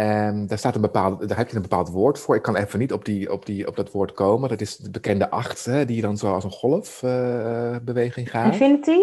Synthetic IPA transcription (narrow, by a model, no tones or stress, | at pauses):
daːɹstaːtənbəpaːlˠddaːɹɦɛpjəənbəpaːlˠtʋʊːɹtfʊːɹɪkːɑnɛfənitɔb̚diɔ̰pdiɔ̰p̚dɑtʋʊːɹtkowməndɑtɪsdəbəkɛndəʔɑχtɦɛdijədɑnzowɑlˠsənχɔlˠəf | bəʋejχɪŋχaːfɪnti